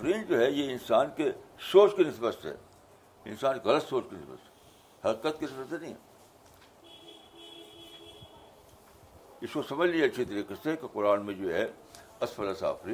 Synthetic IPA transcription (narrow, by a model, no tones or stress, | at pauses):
ɾiːnd͡ʒoːɦɛjeɪnsaːnkesoːʃkenɪsbəst̪ɦɛ̰ː | ɪ̰nsaːnkeɣɐlət̪soːt͡ʃkenɪsbə̰st̪ɦɛ̥ | hɐkikət̪̚kenɪsbəst̪ɦɛnɐɦĩɦɛ̰ | ɪskosɐməd͡ʒlieɐtːʃʰit̪ɐɾiːkəsɦɛkeqʊɾaːnmẽd͡ʒoːɦɛ | ɐsfɐlɐsa̰ːfɾiːn